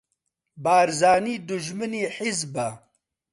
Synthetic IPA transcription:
baːɾzaːniːd̪uʒmɨniːħizbɐ

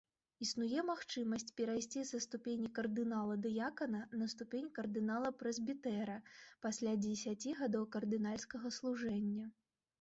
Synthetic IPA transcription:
isnujɛmaxt͡ʂɨmɐsʲt͡sʲpʲɛɾajsʲt͡sʲisɐst̪upʲenʲikɐrd̪ɨnalˠɐd̪ɐjakɐnɐnɐst̪upʲenʲkɐrd̪ɨnalˠɐpɾɛzʲbʲit̪ɛɾɐpasʲlʲad͡zʲɪsʲat͡sʲiɣad̪ɔwkɐrd̪ɨnalʲskɐɣɐslˠuʐɛnʲːɐ

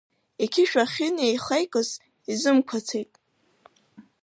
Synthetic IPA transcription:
ikʲʰɪʃᶣaχʲɪnejχejkʼɨz | izɨmkʷʰat͡sʰejtʼ

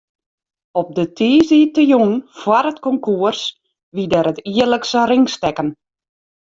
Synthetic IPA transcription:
ɔp̚dətʰiːzitəjunfwaɾətkɔŋkuərs | ʋidɛɾətiələksərɪŋstɛkən

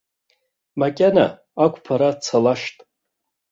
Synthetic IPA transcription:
makʲʼana̰ | akʷʰʼpʰaɾat͡sʰalaʂtʼ

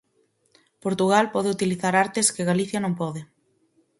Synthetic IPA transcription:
poɾt̪uɣ̞alpɔðeɪut̪iliθaɾaɾt̪ɪskɪɣaliθjɐnõmpɔðɪ

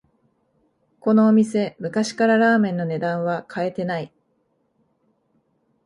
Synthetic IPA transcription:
ko̞no̞ːmʲise̞mɯ̟kaɕi̥kaɾaɾaːmẽ̞nːo̞ne̞d̪ãɰ̃βakʰae̞t̪e̞nai

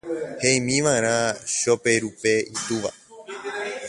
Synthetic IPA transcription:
heĩmĩʋãeɾ̃ãʃope̞ɾupe̞it̪uʋa̰

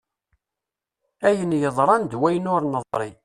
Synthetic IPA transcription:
æjənjəðˤɾˤɑnd̪wæjənʊɾnəðˤɾˤi

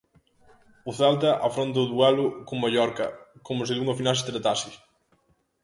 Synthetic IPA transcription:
ʊθɛlt̪ɐʔafɾont̪̬ɐʊðwɛlʊkʊŋmaʎɔɾkɐkomʊs̬ɪðuŋɐfinalsɪ̥t̪ɾat̪asɪ

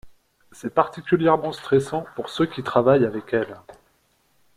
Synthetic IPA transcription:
sɛpaʁt̪ikʲyljɛʁmɑ̃st̪χɛsɑ̃puʁsøkʲit̪χavajavɛkɛl

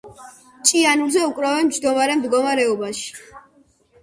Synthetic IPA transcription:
t͡ʃʼianuɾzɛukʼɾavɛnmd͡ʒd̪ɔmaɾɛmd̪ɡɔmaɾɛɔbaʃi̥

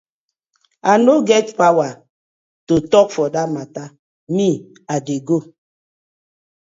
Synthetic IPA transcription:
anoɡɛtpawa | totɔk̚fɔdamata | mi | adeɡo

